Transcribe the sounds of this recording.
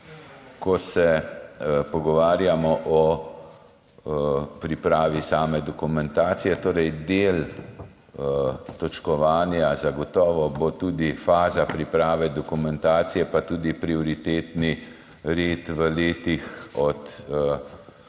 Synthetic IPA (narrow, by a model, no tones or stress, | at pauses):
kɔsɛ | pɔɡɔʋaːɾjamɔʔɔ | pɾipɾaːʋisaːmɛd̪ɔkumɛnt̪aːt̪sijɛt̪oːɾɛjd̪eːl | t̪ɔt͡ʃkɔʋaːnjazaɡɔt̪ɔːʋɔbot̪uːd̪ifaːzapɾipɾaːʋɛd̪ɔkumɛnt̪aːt̪sijɛpat̪uːd̪ipɾiɔɾit̪eːt̪ni | ɾeːt̪ʋəleːt̪ixɔt̪